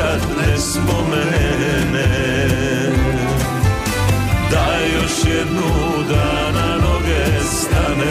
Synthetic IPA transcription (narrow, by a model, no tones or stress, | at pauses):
at̪nɛspomɛ | nɛ | d̪aɛjoʃjɛd̪nu | d̪a | nanoɡɛst̪anɛ